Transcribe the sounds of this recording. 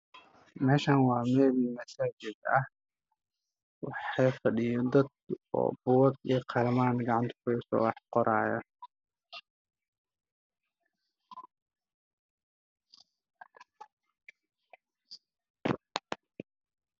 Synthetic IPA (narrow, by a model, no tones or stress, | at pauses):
mɛːʃɐnwɑːmɛːlmɐsaːd͡ʒɪd̪ɐh | wɑħɑjfɐɖɪjɔd̪ɐd̪̚ɔ̰ːbʊwɐɡiqʰɑlɐmaːnɡɑʕɑnt̪ʰɐ̥kʰʊɛsɔ̰wɑħqɔɾʔaːjɐ